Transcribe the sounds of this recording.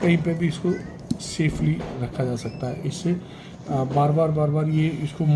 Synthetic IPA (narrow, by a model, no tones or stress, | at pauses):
kɐɦĩpebʱiɪsko | seːpʰliɾɐkʰːad͡ʒaːsɐk̚t̪aɦɛ̰ʔɪsːe | baːɾbaːɾbaːɾbaːɾjeɪskom